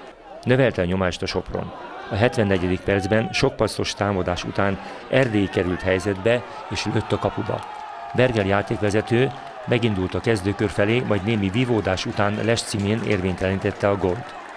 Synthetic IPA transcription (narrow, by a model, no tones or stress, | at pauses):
nøvɛlt̪ɛɲo̞maːʃt̪ɒʃo̞pro̰nɒɦɛt̪ʋɛnːɛɟɛd̪ik̚pɛrd̪zbɛnʃo̞k̚pɒso̞ʃt̪aːmɒd̪aːʃṵt̪aːn | ɛrd̪eːikɛɾylt̪hɛjzɛd̪bɛ | eːʃløːt̪ːɒkɒpubɒ̰ | bɛrɡɛljaːt̪eːkʋɛzɛt̪øː | mɛɡind̪ult̪ɒkɛzd̪øːkørfɛleːmɒjd̪neːmivivoːd̪aːʃut̪aːnlɛʃt̪simeːnḛːrveːɲt̪ɛlint̪ɛt̪ːɛɒɡo̞lt̪